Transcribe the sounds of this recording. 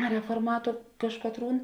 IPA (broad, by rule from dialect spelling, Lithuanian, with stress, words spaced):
rʲɛfoːrˈmɑːtʊ ˈkɑːʃkɐtˌruːn